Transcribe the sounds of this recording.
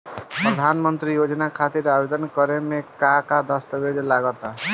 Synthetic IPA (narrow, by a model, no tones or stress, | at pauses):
pɾəd̪ʱanmənt̪ɾijod͡ʒnakʰat̪iɾabed̪ənkʌɾemekakad̪ʌst̪əbed͡ʒlaɡɔt̪a